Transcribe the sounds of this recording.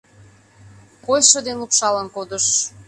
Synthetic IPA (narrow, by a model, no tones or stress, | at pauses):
kojʃɤd̪enlukʃɑlənkod̪əʃ